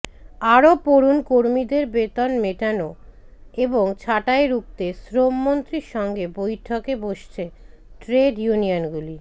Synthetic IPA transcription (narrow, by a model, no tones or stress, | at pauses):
aɾopoɾunkoɾmid̪eɾbet̪onmeʈano | eboŋt͡ɕʰaʈaeɾuk̚t̪esɾomːont̪ɾiɾʃɔŋɡebojʈʰokeboʃt͡ɕʰe | ʈɾeɖjunionɡuli